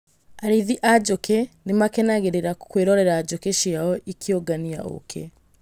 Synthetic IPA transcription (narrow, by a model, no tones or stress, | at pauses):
aɾiðiʔad͡ʒokʰɛnemakenaɣeɾeɾakkweɾɔɾɛɾaːd͡ʒokeʃiaɔʔikʰjoɡania̰o̰kʰɛ̰